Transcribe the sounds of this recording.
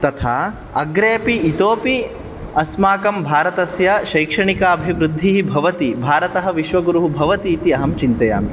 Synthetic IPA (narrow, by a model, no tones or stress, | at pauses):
t̪ɐt̪ʰaː | ɐ̰ɡɾeːpiːt̪oːpi | ɐsmaːkɐmbʱaːɾɐt̪ɐsjɐʃɐjkʂɐɳikɐɐbʱiʋɾud̪ʱːiɦibʱɐʋɐt̪ibʱaːɾɐt̪ɐɦɐʋiʃʋɐɡuɾuɦubʱɐʋɐt̪iːt̪iɐɦɐmt͡ʃint̪ɐja̰ːmi